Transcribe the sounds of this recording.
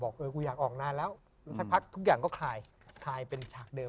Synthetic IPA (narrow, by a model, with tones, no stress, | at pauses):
bɔː˨˩k̚ʔɤː˧kuː˧jaː˨˩k̚ʔɔː˨˩k̚naː˧lɛː˦˥w | la˦˥ŋsa˨˧˩k̚pʰa˦˥k̚t̪ʰu˦˥k̬̚jaː˨˩ŋkɔː˥˩kʰaː˧j | kʰaː˧jpe˧nt͡ɕʰaː˨˩k̚dɤː˧